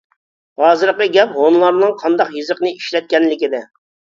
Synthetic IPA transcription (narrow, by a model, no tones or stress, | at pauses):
hɑːzɨɾqəɡʲɛphonɨlˠɑɾnɨŋqʰɑnd̪ɑqjɨzəqnɨiʃlɛt̪̚kʲɛnlɪkʲid̪ɪ